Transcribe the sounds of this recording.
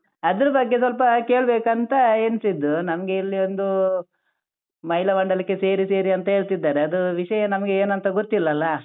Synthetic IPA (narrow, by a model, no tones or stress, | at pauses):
ɐd̪ɐɾɐbɐɡːesʋɐlp̬ɐke̞ːɭbeːkɐnt̪ɐeːnsid̪ːunɐmɐɡe̞ilːio̞nd̪u | mɐɦilɐʋɐɳɖɐlikːe̞se̞ːɾise̞ːɾiɐnt̪ɐɦe̞ːɭt̪id̪ːaːɾeɐd̪uʋiʂɐjɐnɐmɐɡe̞eːnɐnt̪ɐɡoɾt̪ilːɐːlːɐ